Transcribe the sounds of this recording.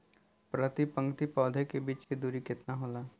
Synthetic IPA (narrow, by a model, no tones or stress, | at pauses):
pɾət̪ipə̃ŋɡt̪ipɔːd̪ʱekebiːt͡ʃked̪uːɾikɪt̪naɦoːlaː